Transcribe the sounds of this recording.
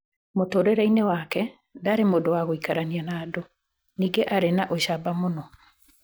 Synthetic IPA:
motoɾɛɾainewakɛ | daɾemoːdowaɣoikaɾanianaːdo | niːɡeʔaɾenaʔoɕabamonɔ

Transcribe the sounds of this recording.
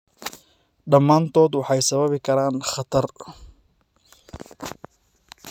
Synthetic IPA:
ɖɐmːaːnt̪ʰɔːd̪wɑħɑjsɐβɐβɪkʰɐɾaːnχɑt̪ʰɐr

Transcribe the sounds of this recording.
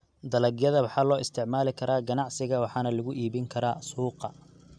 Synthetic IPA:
d̪ɐlɐɡjɐðɐwɑħɑːlɔːʔɪst̪ʰɪʕmaːlɪkʰɐɾaːɡɐnɑʕsɪɣɐwɑħɑːnɐlʊɣʊʔiːβɪŋkʰɐɾaːsuːqɑ̰

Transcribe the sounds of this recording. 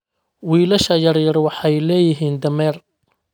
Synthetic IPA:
wiːlɐʃɐjɐrjɐrwɑħɑjlɛːjɪɦiːnd̪ɐmɛːr

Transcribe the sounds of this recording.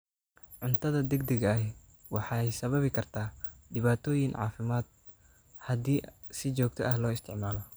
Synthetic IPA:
ʕʊnt̪ʰɐðɐd̪ɛɡd̪ɛɣɐɐ | wɑħɑɛjsɐβɐβɪkʰɐrt̪ʰaːɖɪβaːt̪ʰɔːjɪŋʕɑ̰ːfɪmaːd̪̥̚ | hɐd̪iːsɪt͡ʃɔːɡ̚t̪ʰɔʔɐhlɔːɪst̪ʰɪ̰ʕmaːlɔ

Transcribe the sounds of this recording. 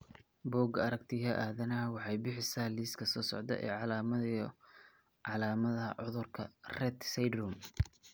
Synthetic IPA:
bɔːɡɐɾɐk̚t̪ʰiɦɐʔaːðɐnaːwɑħɑjbɪħɪsaːliːskʰɐsɔːsɔ̰ʕd̪ɐ̰ʔɛ̰ːʕɑlamɐ | ʕɑlaːmɐðɐɦɐ̰ʕʊðʊrkʰɐrɛːt̪sɛjd̪rɔm

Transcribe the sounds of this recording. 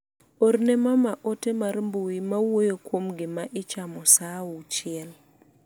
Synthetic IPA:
oɾnemamaʔotemarmbuwimawojokwomɡɪmaʔɪt͡ʃamɔsaut͡ʃɪɛl

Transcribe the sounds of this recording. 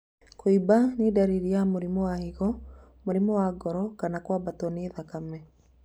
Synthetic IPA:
koibanedaɾiɾiamoɾimɔwahiɣɔ | moɾimɔwaɡɔɾɔkanakwabatɔneːðakamɛ

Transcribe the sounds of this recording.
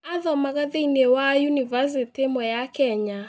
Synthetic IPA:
aðɔmaɣaðeinewajunivas̬itemwɛjakɛɲa

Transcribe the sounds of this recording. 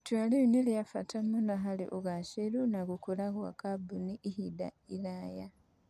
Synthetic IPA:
twaliinelijafatamunaɦalḭʔoɣaʃeɾunaɣukulaɣwa̰kabuniʔːhida̰ilaja

